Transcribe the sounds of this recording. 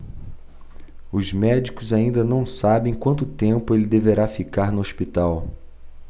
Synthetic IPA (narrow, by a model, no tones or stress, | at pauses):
ʊzmɛd͡ʒikʊzaĩnd̪ɐnɐ̃w̃sabẽj̃kwɐ̃nt̪ʊt̪ẽmpʊelɪd̪eveɾafikaɾnʊospit̪aw